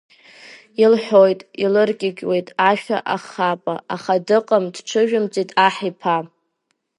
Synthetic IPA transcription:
ilħʷojtʼilɨrkʲʼɪɡʲʼwe̞jtʼaʃᶣa̰ʔaχapʼa̰aχadɨqʼəmdʈ͡ʂʰɨʒᶣʊmt͡sʼitʼaħipʰa

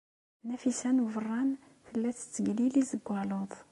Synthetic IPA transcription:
næfisænuvərˤːɑn | fəlːæt͡sːə̥t͡sːəɡlilizəɡʷːɑloðˤ

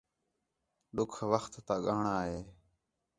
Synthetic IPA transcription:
ɗʊkʰʋəxt̪ːaːɠaːɳaːɦeː

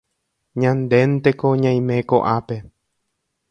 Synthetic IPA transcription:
ɲãnd̪e̞nt̪e̞koɲãj̃mẽ̞koʔape̞

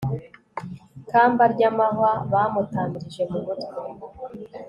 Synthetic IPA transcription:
kaːmbaɾɟamaɦaβaːmutaːɲɟiʒe̞mumutwe

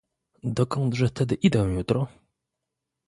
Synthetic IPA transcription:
d̪ɔkɔnd̪ʐɛft̪ɛd̪ɘʔid̪ɛ̃jut̪ɾɔ

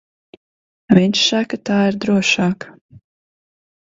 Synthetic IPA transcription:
viɲʲʃsakat̪aːiɾd̪ɾuɔʃɑːk

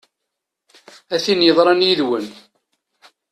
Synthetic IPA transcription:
æθinjəðˤɾˤɑnjiðwən

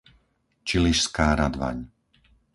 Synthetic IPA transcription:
t͡ʃiliʃskaːɾad̪ʋa̰ɲ

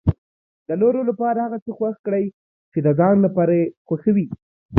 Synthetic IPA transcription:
d̪ənoɾolapɑɾahaɣat͡səxwaxkɽəj | t͡ʃed̪əzɑnlapɑɾaexwaxawi

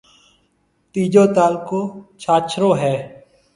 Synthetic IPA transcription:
t̪iːd͡ʒoːt̪aːlkoːt͡ʃʰaːt͡ʃʰɾõːɦɛː

